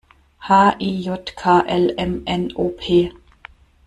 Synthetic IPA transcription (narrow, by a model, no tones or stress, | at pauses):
hɑːʔiːjɔt̪kʰɑːʔɛlɛmɛnoːpʰeː